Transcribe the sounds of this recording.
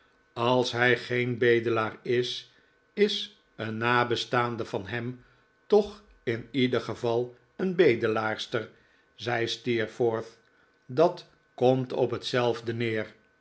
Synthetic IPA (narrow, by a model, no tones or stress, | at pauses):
ɑlˠsɦɛjχejnbejdəlaːrɪs | ɪs | ənːaːbəstaːndəvɑnɦɛm | tɔχ | ɪnidəχəvɑlˠ | ənbejdəlaːɹstəɹ | zɛjstiɹfɔɹθ | dɑt | kɔmtɔ̰pɦətsɛlˠvdənɪːr